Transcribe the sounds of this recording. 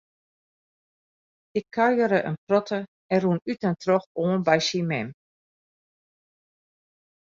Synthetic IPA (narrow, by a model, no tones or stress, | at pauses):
ɪkʰːaɥjəɾəʔə̰nprɔtʰə | ɛnrunytəntrɔxoːnbɛjsimɛm